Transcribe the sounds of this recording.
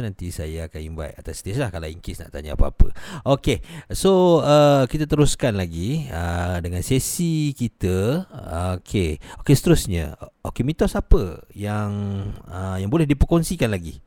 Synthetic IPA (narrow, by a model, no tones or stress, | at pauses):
nant̪isajaːkanimva̰jʔ̪at̪asi̥t̪islahkalaḭŋkɪsna̰ʔt̪aɲaa̰pəa̰pə̰okesoəkit̪at̪əɾuskanlaɡiədəŋansesikit̪ə | okʰeokesə̥t̪əɾusɲə̰okemit̪ɔsapəjaŋəjaŋbolɛhdipərkonsikanlaɡi